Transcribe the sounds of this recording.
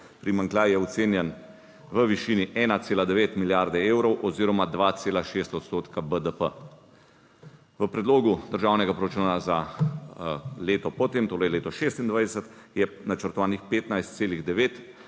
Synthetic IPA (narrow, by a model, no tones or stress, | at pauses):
pɾimaŋklajjɛɔt̪seːnjɛn | ʋəʋiʃiːniʔɛːnat̪seːlad̪ɛʋeːt̪miljaɾd̪ɛeːwɾɔwʔɔziːɾɔmad̪ʋaːt̪seːlaʃeːst̪ɔt̪st̪oːt̪kabəd̪əpə | ʋəpɾɛd̪loːɡud̪əɾʒaːwnɛɡapɾɔɾat͡ʃuːnaza | leːt̪ɔpɔt̪emt̪oːɾɛjleːt̪ɔʃeːst̪ind̪ʋajd̪ɛsət̪ | jɛnat͡ʃəɾt̪ɔʋaːnixpeːt̪najst̪seːliɣd̪ɛʋeːt̪